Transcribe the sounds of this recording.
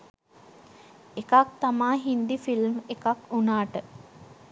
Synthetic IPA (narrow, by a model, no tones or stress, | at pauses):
ekak̚t̪amaːɦind̪ifilmekakunaːʈə